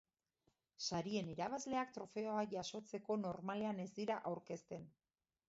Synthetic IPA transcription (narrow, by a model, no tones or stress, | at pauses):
saɾie̞niɾaβ̞azle̞ak̚t̪ɾo̞fe̞oaʝaso̞t͡se̞ko̞no̞ɾmale̞ane̞zd̪iɾaʔawɾke̞st̪e̞n